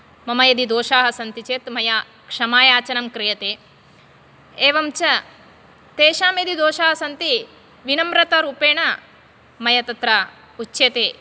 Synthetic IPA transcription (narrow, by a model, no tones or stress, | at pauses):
mɐmɐjɐd̪id̪oːʃaːɦɐsɐnt̪it͡ʃeːt̪mɐjaː | kʂɐmaːjaːt͡ʃɐnɐmkɾijɐt̪eː | eːʋɐmt͡ʃɐ | t̪eːʃaːmed̪id̪oːʃaːɦɐsɐnt̪i | ʋinɐmɾɐt̪ɐɾuːpeːɳɐ | mɐjɐt̪ɐt̪ɾɐ | ut͡ʃːeːt̪eː